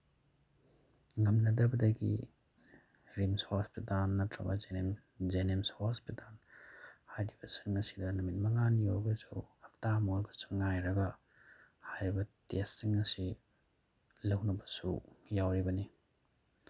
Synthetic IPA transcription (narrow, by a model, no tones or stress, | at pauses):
ŋɐmnɐdɐbɐdɐɡḭ | ɾimshospitalnːɐtɾɐ̰bɐ̰z | zenemshospitalhajɾibɐsiŋɐsi̥dɐnɐmit̚mɐŋanioɾɡɐsuhɐk̚tamoɾɡɐsu̥ŋajɾɐɡɐ | hajɾibɐtesːiŋɐsi | lɐwnɐbɐsujawɾibɐni